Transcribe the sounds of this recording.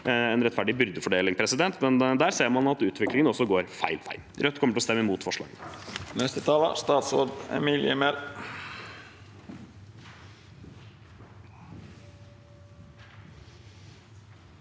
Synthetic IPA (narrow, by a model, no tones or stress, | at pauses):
ɛnɾɛt̪ːfæɖɪbʏɾd̪əfɔɖeːlɪŋpʰɾɛsɪd̪ɛnt̪mɛnd̪æːɾseːɾmɑnɑt̪ʉːt̪ʰʋɪklɪŋənɔsːɔɡoːɾfæɪlfæ̰ɪlɾœt̪ːkʰɔmːəʈɪlɔst̪ɛmːəmuːt̪fɔʂɭɑ̰ːɡə̰nɛst̪ɪt̪ʰɑlə̰st̪ɑːt̪soɖ̪ɛ̰milɪɛmɛl